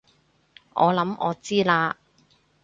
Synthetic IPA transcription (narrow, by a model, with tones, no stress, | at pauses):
ʔɔː˨˧lɐ˨˥mʔɔː˨˧t͡siː˥laː˧